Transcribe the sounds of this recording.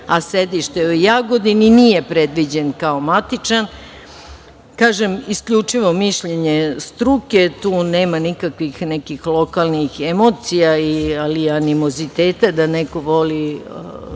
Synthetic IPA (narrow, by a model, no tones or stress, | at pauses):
ased̪iʃt̪eojaɡo̞d̪ininije̞pɾed̪ʋid͡ʑe̞nkaomat̪it͡ʂan | kaːʒemiskʎut͡ʂiʋo̞miʃʎeɲest̪ɾuke̞t̪uːneːmanikakʋixnɛkixlˠo̞kalnixemo̞ːt̪sijaialianimo̞zit̪eːt̪ad̪aneko̞ʋo̞li